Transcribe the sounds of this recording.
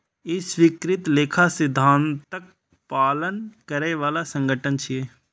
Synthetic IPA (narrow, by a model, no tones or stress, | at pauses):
ɪsʋikɾɪt̪leːkʰasɪd̪ʱːaːnt̪ək̚ | paːlənkəɾeʋaːlasə̃ŋɡʱəʈənt͡ʃʰieː